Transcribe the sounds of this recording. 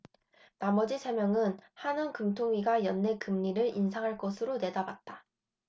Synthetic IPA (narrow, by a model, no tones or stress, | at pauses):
namʌd͡ʑisʰe̞mjʌŋɯnhanɯnkɯmtʰoŋɥiɡajʌnːekɯmɲiɾɯɾinsʰaŋɦaɭk͈ʌsʰɯɾone̞dabat̚t͈a